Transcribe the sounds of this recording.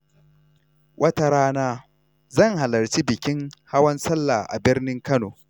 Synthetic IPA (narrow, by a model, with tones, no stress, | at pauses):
wʔɐ˦ta˦ɾaː˦naː˦ | zɐ˦˨ŋha˨lɐ˨ɾt͡ʃi˦bɪ˨kʲɪ˦ŋha˦wɐ˦nsɐ˦lːaː˨ʔa̰˨bɪ˦rnɪ˦ŋkɐ˦noː˨